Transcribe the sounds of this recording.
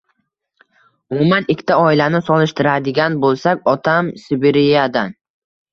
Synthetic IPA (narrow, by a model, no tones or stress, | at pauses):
ʊmʊmanɪkʲːt̪ʰaɒɪlanɪsɒlɪʃt̪ʰɪɾad̪ɪɡʲanbolˠsakʲɒt̪ʰamsɪbeɾɪjad̪an